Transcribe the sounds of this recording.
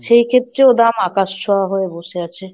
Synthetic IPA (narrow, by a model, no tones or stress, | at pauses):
ʃejkʰet̪ːɾeod̪amakaʃt͡ʃʰoaɦoeboʃeat͡ɕʰe